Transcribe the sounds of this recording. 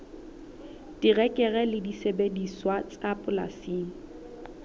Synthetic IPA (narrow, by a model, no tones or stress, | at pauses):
tirɛkʼɛɣɛlɪdisebediswatʼapʼla̰siːŋ̩